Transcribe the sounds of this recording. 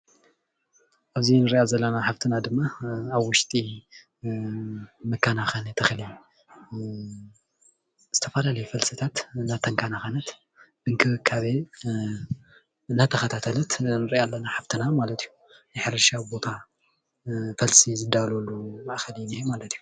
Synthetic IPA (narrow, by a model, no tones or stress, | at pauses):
ʔaβzinɨɾiʔazɐlːɐnaħaβt̪ʰɨnad̪ɨmːaːβwʊʃt̪ʼi | mɨkʰːanaxanet̪ʰɐxli | z̥ɨt̪ʰɐfɐlalɐjufɐlsɨt̪ʰat̪ɨnːat̪ʰːɐŋkʰanaxanɐt̪ | bɨŋkʰɨβɨkʰaβe | ɨnːat̪ʰɐxɐt̪ʰat̪ʰɐlɐt̪nɨɾiʔalːɐnaħaβt̪ʰɨnamalɐt̪ʰijːu | nɨħɨɾɐʃabo̞t̪ʰa | fɐlsizɨd̪alolːumɐʔxɐlnihemalɐt̪iju